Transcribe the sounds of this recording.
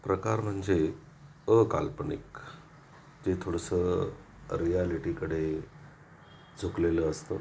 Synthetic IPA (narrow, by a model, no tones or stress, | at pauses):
pɾəkaɾm̤əɳd͡ze | əkalpəɳḭk | d͡ʑet̪ʰoɽəsə | ɾijaliʈikəɽ̤e | d͡zʱukleləəst̪o̰